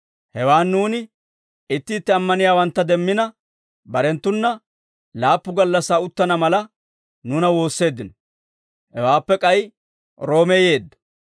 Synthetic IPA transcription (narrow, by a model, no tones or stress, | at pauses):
hɛwaːnːuːnɪ | ɪt̪ːɪːt̪ːɛɐmːɐnɪjaːwɐnt̪ːɐd̪ɛmːɪnɐ | bɐɾɛnt̪ːʊnːɐ | laːpːʊɡɐlːɐsːaːʊt̪ːɐnɐmɐlɐ | nʊnɐwo̞ːsːe̞ːd̪ːɪnɔ | hɛwaːpːɛkʼɐj | ɾo̞ːmɛje̞ːd̪ːɐ̥